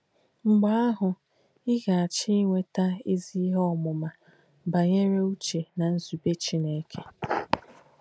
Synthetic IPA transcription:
ŋ͡m̩˨ɡ͡ba˨˦a˦ɦʊ˨ | ɪ˦ɣa˨a˨t͡ʃɪ˦ŋʷe˦ta˦i˦zi˦ɦɔ˦˨mʊ˨ma˨ | ba˨ɲe˦ɾe˦u˦t͡ʃe˨na˨n̩˦zu˨be˦t͡ʃi˦ne˨˦kʰe˦

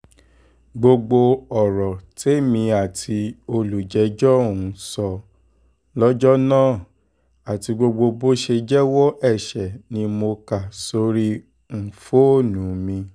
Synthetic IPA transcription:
ɡ͡bo˧ɡ͡bo˧ɔ˨ɾɔ˨te˦mĩ˧a˨tʰi˧o˧lu˨d͡ʒɛ˨˦d͡ʒɔ˦˨ũ˧sɔ˧ | lɔ˦d͡ʒɔ˦nãː˦˨ | a˨ti˧ɡ͡bo˧ɡ͡bo˧bo˦ʃe˧d͡ʒɛ˦wɔ˦ɛ˦˨ʃɛ˨nĩ˧mo˧ka˨so˧˦ɾi˦ | n̩˨fo˦˨nũ˨˦mĩ˧

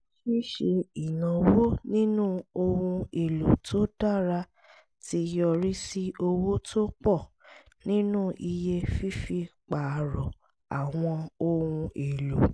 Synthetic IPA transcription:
ʃi˦ʃe˧i˨nã˨wo˦nĩ˦nũ˦o˧ũ˧e˨lo˨tʰo˦d̥a˦˨ɾa˧ | ti˧jɔ˧ɾi˦si˦o˧wo˦tʰo˦k͡pɔ˦˨ | nĩ˦nũ˦ʔi˧je˦fi˦fi˧k͡pa˨ɾɔ˨ | a˨w̃ɔ̃˧o˧wũ˧e˨lo˨

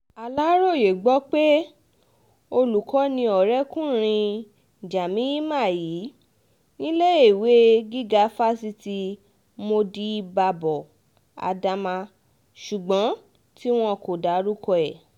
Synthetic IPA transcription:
a˨la˨˦ɾo˦˨je˨ɡ͡bɔ˦k͡pe˦ | o˧lu˨kɔ˨˦nĩ˧ɔ˨ɾɛ˦kũ˦ɾ̃ĩ˧ | d͡ʒa˨mĩ˨˦i˦mã˦˨jiː˨˦ | nĩ˦le˦e˦˨we˨˦ɡi˦ɡa˦fa˦si˧ti˧ | mo˧di˧˦i˧ba˧bɔ˨ | a̰˨da˧mã˧ | ʃu˨ɡ͡bɔ̃˨˦ | ti˦w̃ɔ̃˧ko˨da˨˦ɾu˦kɔ˧ɛ˨

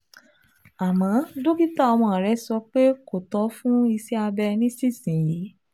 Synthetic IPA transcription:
a˨mã˨˦do˦ɡi˦ta˦˨ɔ˧mɔ̃˧˨ɾɛ˨˦sɔ˧k͡pe˦ko˨tɔ˨˦fũ˦i˧sɛ˦a˧bɛ˧nĩ˦si˦˨sĩ˨jiː˨˦

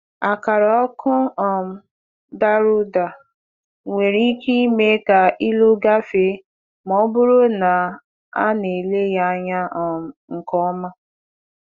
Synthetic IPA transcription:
a˨ka˨ɾɔ˨ɔ˦kʊ˦ɔ˨m̩˨ | da˦ɾʊ˦da˨ | ŋʷe˨ɾi˦ki˦me˦ka˨i˦lu˦ɡa˦fe˨˦ | mɔ˦bʊ˦ɾo˦na˨ | a˦ne˨le˦ja˦ɲa˦ɔ˨m̩˨ŋ̩˨kɔ˦ma˦

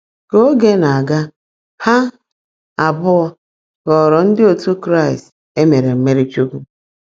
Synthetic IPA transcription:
ko˦ɡe˦na˨a˨ɡa˦ | ha˦ | a˨bʊ˦ɔ˦ | ɣɔ˨ɾɔ˨n̩˦dɪ˦o˨tu˦kɾa˦˨ɪ˨st | e˦me˨ɾe˨m̩˦me˦ɾi˦t͡ʃu˦ku˦

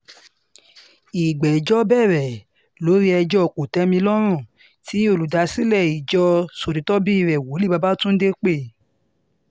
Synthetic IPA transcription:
i˨ɡ͡bɛ˨d͡ʒɔ˦bɛ˦˨ɾɛ˨ | lo˨˦ɾi˦ɛ˧d͡ʒɔ˦˨ko˨tɛ˨˦mĩ˧lɔ˦ɾ̃ũ˦˨ | ti˨˦o˦˨lu˨da˨˧si˦lɛ˦˨i˨d͡ʒɔ˧so˨ɾi˨˦tɔ˦bi˦i˦˧˨ɾɛ˨wo˨˦li˦˨ba˧ba˦tũ˦n̩˦de˦k͡pe˦˨

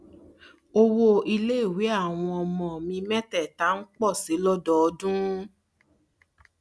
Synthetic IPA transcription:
o˧wo˦i˧le˦˨wi˨˦a˦˨w̃ɔ̃˧ɔ˧mɔ̃˨mĩ˧mɛ̃˦tɛ˦˨ta˨˦n̩˦k͡pɔ˦˨si˨˦lɔ˦dɔ˦˨˧dũ˦

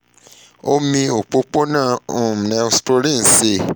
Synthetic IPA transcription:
o˦mĩ˧o˨k͡po˨˧˦k͡po˦nãː˦˨u˨m˨nɛ̃˨˧˦sto˧ɾĩ˦˨n̩˨se˧˨

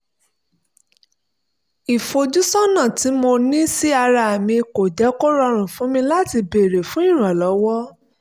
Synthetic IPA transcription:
i˨fo˧d͡ʒu˦sɔ˦nã˦˨ti˨˦mo˧nĩ˦si˦a˧ɾa˧a˨mĩ˧ko˨d͡ʒɛ˨˦ko˦ɾɔ˧ɾ̃ũ˨fũ˨˦mĩ˧la˦ti˧be˨ɾe˨fũ˦ĩ˦˨ɾ̃ã˨lɔ˨˦wɔ˦

